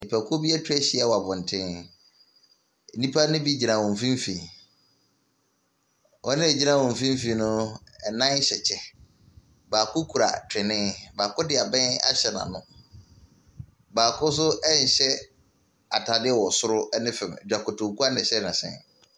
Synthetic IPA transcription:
ɪ˨pʰa˨kʰo˦bi˦ɛ˦tʰᶣɛ˦ɕɪ˦ɛ˦˨wɔ˨a˨bʊ̃˨n̩˨tʰɪ̃˦n˨˦ | nĩ˦pʰa˦nʊ̃˦bi˦˨d͡ʑi˨nã˨wɔ̃˨m˨fĩ˦m˦fi˨ | ʔɔ˦nɪ̃˦ɛ˨d͡ʑi˦nã˦˨wɔ̃˨m˨fĩ˦m˦fĩ˨nʊ̃˦˨nã˦ɕɛ˨t͡ɕʰɛ˦ | baː˨kʰʊ˦kʰu˨ɾa̰˨tʰɪ˨nɪ̃˦baː˨kʊ˦dɪ˨a˨bɛ̃˦na̰˦ɕɛ˨nã̰˨nʊ̃˦ | baː˨kʰʊ˦s̬ʊ˦ɛ˦ɲ˨ɕɛ˦ | a˨tʰa˨dɪ˦ɛ˦˨wɔ˨sʊ˦ɾʊ˦ɛ˦nɪ̃˦fɛ̃˨m˨d͡ʑᶣa˨kʰʊ˨tʰʊ̃˨kʰu˦a˦nɪ̃˨ɕɛ˦nã˨sɛ̰̃˦˨n

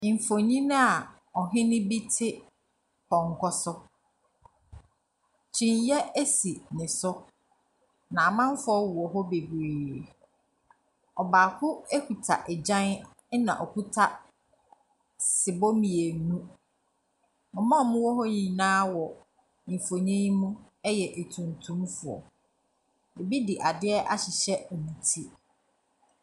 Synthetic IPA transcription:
ɱ̩˨fo˨ɲĩ˦nã˦a˨ | ɔ˨ɦɪ̃˦nɪ̃˦bi˦tʰɪ˦ | kɔ̃˨ŋ˨kʰɔ˦sʊ˦ | t͡ɕʰĩ˨ɲ˦jɛ˦e˦si˨nɪ̃˨sʊ˦ | nã˨a˨mã˦m˦fʊ˦ɔ˦wu˨ɔ˨ɦɔ˦be˨ɡeː˨ | ɔ˨baː˨kʰʊ˦e˦kʰu˨tʰa̰˨ʔɛ˨d͡ʑã˦n˦ | nã̰˨ʔɔ˨ku˦tʰa˦ | sɪ˨bo˦mĩ˨e˨nũ˦ | mʊ̃˨mã˦˨mʊ̃˦wɔ˦ɦɔ˦ɲĩ˨nãː˦wɔ˨ | ĩ˨fo˨ɲɛ̃˦ɲ˦mũ˦ | ɛ˦jɛ˨ʔe˨tʰũ˨ntʰũ˦m˦fʊ˨ɔ̰˨ | e˨bi˦di˨ʔa˨dɪ˦ɛ˦ʔa̰˦ɕɪ˨ɕɛ˦ɛ˨mĩ˨tʰi˦

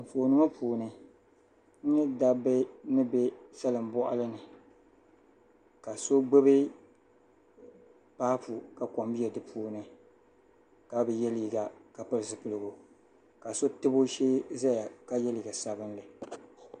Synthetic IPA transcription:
m̩˨fo˨nɨ˦ma˦pʰuː˨nɨ˨ | n̩˦nɨ˦da˦bɨ˦nɨ˦be˦sa˦lɨ˨m˦bɔ˦ʔa̰˦lɨ˦nɨ˨ | ka˨so˦ɡ͡be˦bɪ˦ | paː˦pu˨ka˨kɔ˨mbi˦ɛ˨dɨ˨pʰuː˨nɨ˨ | ka˦bɨ˨jɛ˦li˨i˨ɡa˨ka˨pɨ˦ɾɨ˨zɨ˨pɨ˨lɨ˦˨ɡo˨ | ka˨so˦tɨ˦bo˦ʃeː˦za˦ja˨ka˦jɛ˦li˨i˨ɡa˨sa˨bɨ˦n˦lɨ˨

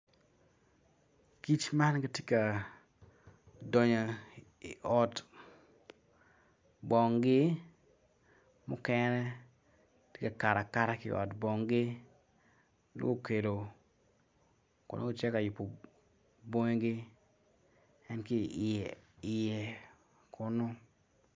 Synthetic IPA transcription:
ki˦t͡ʃma˦nka˦tje˦ka˨ | dɔ˨ɲo˨ | i˨ʔɔ˦t | bɔ˨ŋɡɪ˦ | mʊ˦kɛnɛ˦ | te˦ka˨ka˨ɾa˨ka˦ɾa˦kɪʔɔ̰˨tbɔ˨ŋɡɪ˦ | n̰˦o˦˨ke˨lo˨ | kʊ̰˨nʔo̰˦o˦t͡ʃɛ˦ka˨jʊ˨pːo˨ | bɔ˦ɲ˦ɡɪ˦ | ɛ˦nkɪ˦˨ʔɪ˨jɛ˨ | kʰʊ˨no˦

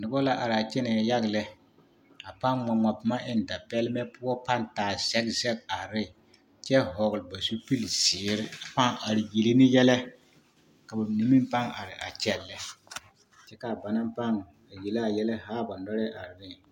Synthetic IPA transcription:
nʊ˨bɔ˦la˦ʔa˨ɾa˨t͡ʃɛ˦nɛ˨ja˦ɣlɛ˦ | a˨pa˦ŋmɔ˨ma˨pɪ˨ma˦ʔɪ˦n˨da˨pɛ˦lmɛ˦pʊ˦ɔ˦pa˦ntaː˨sɛ˦ɡzɛ˦ɡ̚a˨ɾɪ˦˨ | t͡ʃɛ˦ɦɔ˨ɣʊ˨lba˨su˦pi˦lsɪː˨˦ɾɪ˦a˨pa˦ŋa˨ɾɪ˨ji˨li˦nɪ˦jɛ˦lɛ˦ | ka˨ba˨ni˨˦mi˦m˦pa˦ŋa̰˨ɾɪ˨ʔa̰˨t͡ʃɛ˦˨lːɛ˦ | t͡ʃɛ˦ka˨ba˨na˦mpa˦ŋ˨ | a˨je˨la˦˨jɛ˦lɛ˦ɦaː˦ba˨nɔ˦ɾɛ˦ʔa˨ɾɪ˨nɪ˦˨

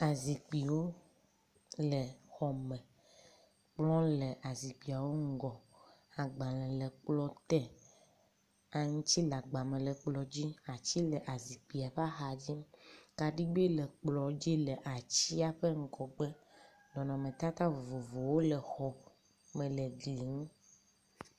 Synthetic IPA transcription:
a˨zi˨k͡pi˨wo˦ | lɛ˨xɔ˨mɛ̃˨ | k͡plɔ̃˦lɛ˨ʔa˨zi˨k͡pi˨a˨wo˦ŋ̩˦ɡɔ˨ | a˨ɡ͡ba˨lɛ̃˨lɛ˨k͡plɔ˦t̪ɛ˦ | a˨ŋũ˦t͡ɕi˦la˨ɡ͡ba˨mɛ̃˨lɛ˨k͡plɔ˨d͡ʑi˦a˨t͡ɕi˦lɛ˨ʔa˨zi˨k͡pi˨a˨ɸa˦xa˨d͡ʑi˦m˦ka˨ɖi˦ɡ͡bi˦lɛ˨k͡plɔ˨d͡ʑi˦lɛ˨ʔa˨t͡ɕi˦a˨ɸe˦ŋ̩˦kɔ˨ɡ͡bɛ˦ | lɔ˨nɔ̃˨mẽ˨t̪a˦t̪a˦vo˨vo˨vo˨wo˦lɛ˨xɔ˨ | mɛ̃˨lɛ˨ɡli˨ŋũ˦

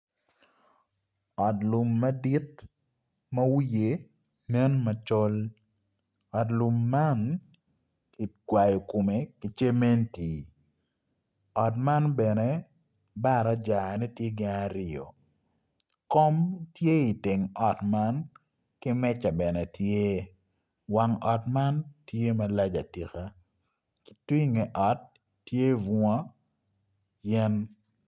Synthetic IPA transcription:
ɔ˨tlʊ˨mːɐ˦di˦t | mɐ˦wje˨ | nɛ˦nmɐ˨t͡ʃɔ˦l | ɔ˨tlʊ˨mːa˦n | ki˨ɡwa˨jɔ˨ko˨me˨kɪ˨t͡ʃe˦me˦nti˨ | ɔ˨tma˦nbɛ˨ne˦ | ba˦ɾa˨˦d͡ʒa˨nɛ˦tje˦ɡɪ˦na˦ɾɪo̰˨ | kɔ˦mtje˦i˨tɪ˨ŋɔ˨tma˦n | kɪ˦mɛ˦t͡ʃa˨bɛ˨nɛ˨tʰje˦ | wa˨ŋɔ˨tma˦ntje˦ma˦la˦d͡ʒa̰˨ti˨xa˦ | kɪ̥˨twi˦ŋɛ˨ʔɔ˨˦tː | je˦vɔ˦ | jɛ˦n

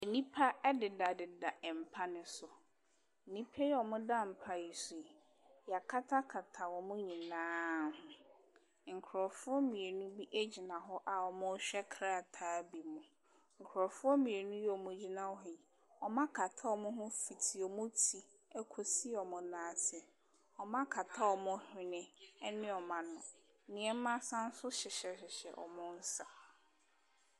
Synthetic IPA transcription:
e˨nĩ˦pʰa˦ɛ˦dɪ˨da˨dɪ˨da˨ʔɛ˨m̩˨pʰa˦nɪ̃˦sʊ˨ | nĩ˦pʰe˦jɛ˦ɔ˨mʊ̃˦dã˦˨m̩˨pʰa˦˨i˨sʊ˨e˨ | ja˨kʰa˦tʰa˦kʰa˨tʰa˨wɔ˨mʊ̃˦ɲĩ˨nãː˦hʊ̃˦ | ŋ̩˨kʰɾɔ˨fʊ˦ɔ˦mĩ˨e˨nũ˦bi˦ʔæ˦d͡ʑi˨nã˨ɦɔ˦ʔa˨wɔ˨mʊ̃˦ɕᶣɛ˦kʰɾa˦˨tʰaː˦bi˨mʊ̃˨ | ŋ̩˨kʰʊ˨ɾɔ˨fʊ˦ɔ˦mĩ˨e˨nũ˦jɛ˦ɔ˨mʊ̃˨˦d͡ʑi˦nã˦wɔ˦ɦɪ̃˨ | ɔ˨mã˦kʰa˨tʰa˦ɔ˦˨mʊ̃˦ɦʊ̃˦fi˨tʰi˨ɔ˨mʊ̃˦tʰi˨ | ɛ˦kʰo˨si˦ɔ˨mʊ̃˨˦nãː˨tʰɪ˦ɛ˨ | ɔ˨mã˦kʰa˨tʰa˦ɔ˨mʊ̃˦hᶣɪ̃˦nɪ̃˦ɛ˦nɪ̃˦ɔ˨mã˨nʊ̃˨ | nɪ̃˨ɛ˦m˦mã˦sã˦n̩˦sʊ˦ɕɪ˨ɕɛ˨ɕɪ˨ɕɛ̰˨ʔɔ̰˨mʊ̃˦n̩˦sa˨

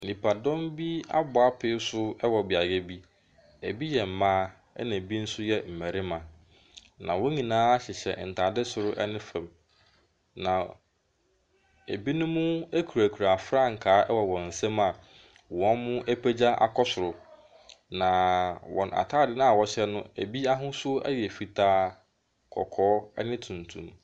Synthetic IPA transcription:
nĩ˨pʰa˨dɔ̃˦mbi˦a̰˦bʊ˨a˦pʰɪ˦sʊ˦ɛ˦wɔ˨bɪ˨a˨jɛ˦bi˦ | æ˨bi˦jɛ˨m̩˨mãː˦ | ɛ̰˦nã˨bi˦n̩˦sʊ˦jɛ˦m̩˨mæ˨ɾɪ˦mã˨ | nã̰˨wɔ̃˦ɲĩ˨nãː˦a˦ɕɛ˨ɕɛ̰˨n̩˨tʰa˨dɪ˦sʊ˨ɾʊ˦ʔɛ̰˦nɪ̃˦fɛ̃˨m | nã˨ | æ˨bi˦nʊ̃˦mʊ̃˦æ˦kʰu˨ɾæ˨kʰu˨ɾa˨fɾã˦ŋ̩˨kʰaː˨˦ɛ˦wɔ˨wɔ̃˨n̩˨sɛ̃˦ma˨ | wɔ̃˨˦nmʊ̃˦ʔæ˦pʰæ˦d͡ʑa˦ʔa̰˨kʰɔ˦sʊ˨ɾʊ˨ | nã˨wɔ̰̃˨na̰˨tʰaː˦˨dɪ˦nʊ̃˦a˨wɔ˦ɕɛ˦nʊ̃˦æ̰˨bi˦a˦ɦʊ̃˦sʊ˦æ̰˦jɛ˨fi˦tʰaː˦ | kʰɔ̰˨kʰɔː˦ɛ̰˦nɪ̃˦tʰũ˨n˨tʰũ˨m

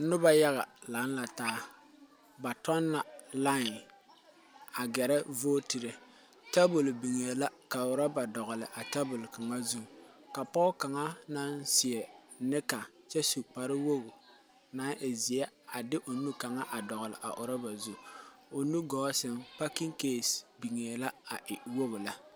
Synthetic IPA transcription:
nʊ˦ba˦ja˦ɣa˨la˨˦n˦la˨taː˨˦ | ba˨tɔ˦nːa˨la˦˨ | a˨ɡɛ˨ɾɛ˦voː˦ti˨ɾe˨ | ta˦bʊ˨lbi˨ŋe˨la˦ka˨ʊ˨ɾa˦ba˨dɔ˨ɣʊ˨lɪ˨ʔa˨ta˦bʊ˨lka˨ŋa˦zu˦˨ | ka˨pɔ˦ka˨ŋa˦na˦nsɪ˨ɛ˨ | nɪ˦ka˨ | t͡ʃɛ˦su˨k͡pa˨ɾɪ˦wo˦bʊ˨ | na˨˦nʔɪ˨zɪ˨ɛ˦a˨dɪ˦ʔo˨nu˦ka˨ŋa˦ʔa˨dɔ˨ɣʊ˨lɪ̰˨ʔa̰˨ʔʊ˨ɾa˦ba˨zu˦˨o˨nu˦ɡɔː˨˦sɪ˦mpa˦ki˦ŋkeː˦˨sbi˨ŋe˨la˦a˨ʔɪ˨wo˦bla˦

